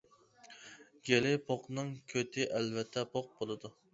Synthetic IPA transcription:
ɡʲelɪpʰoqnɨŋkʲʰøt̪ʰɪʔælvɛt̪ʰːɛpʰoq̚bolˠɨd̪u

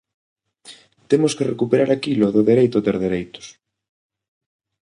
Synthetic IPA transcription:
t̪emʊskerekupeɾaɾakiloðʊðeɾejt̪ʊðeɾðeɾejt̪ʊ̥s

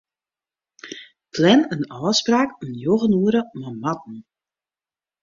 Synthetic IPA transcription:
pʰlɛnənɔːspraːkənjoɣənuəɾəmamatn̩

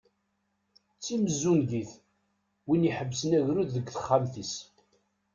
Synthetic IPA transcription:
t͡sːiməzːunðiθ | winiħəbːsnæʝɾuððəɡθə̥χːamθis

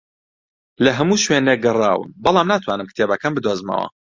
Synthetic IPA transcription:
lɐɦɐmuːʃweneɡɨrˤaːwɨ̰mbɑlˠaːmnaːt̪ʰwaːnɨmkt̪ʰeːbɐkʰanbɨd̪wozmɐ̰wɐ̰

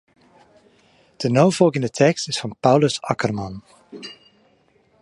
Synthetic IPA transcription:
d̥ənowfɔlˠkɪ̃ndətʰɛkstɪsfɑnpawləsɑkərmɑn

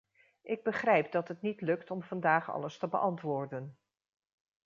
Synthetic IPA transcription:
ʔɪɡ̚bəχrɛjp̚dɑtɦətnitlɵktɔmv̥ɑndaːχɑ̰ləstəbəʔɑntʋʊːɹdən

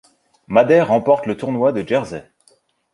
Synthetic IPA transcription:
mad̪ɛʁːɑ̃pɔχt̪lət̪uʁnwad̪əʒɛʁzɛ

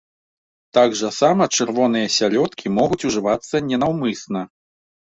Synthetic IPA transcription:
t̪aɡʐɐsamɐt͡ʂɨɾvɔnɨjɐsʲalʲɔt̪kʲʰimɔɣut͡sʲuʐɨvat̪sːɐnʲɛnawmɨsnɐ

